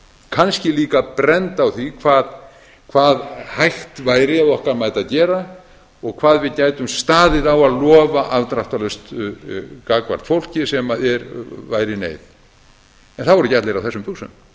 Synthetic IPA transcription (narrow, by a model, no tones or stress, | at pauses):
kʰanscɪliːkapɾɛnt̪awθikʰvaːð | kʰv̥aːðhajht̪vajɾɪaðɔhkaɾmajt̪aðcɛːɾa | ɔɣkʰvaːðvɪðcaːjt̪ʏmst̪aːðɪðawaðlɔːvaʔavt̪ɾaht̪alœst̪ | kaːkva̰ɾ̥t̪fowl̥cɪsɛmaɛɾvaːjɾɪnḛːjð | ɛnθaðvɔɾʏcat̪lejɾawθɛsʏmpusʏ̰m